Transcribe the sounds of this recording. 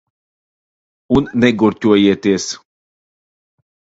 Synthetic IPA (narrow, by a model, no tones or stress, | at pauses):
unːɛɡuɾʲt̪ʲuɔjiɛt̪iɛs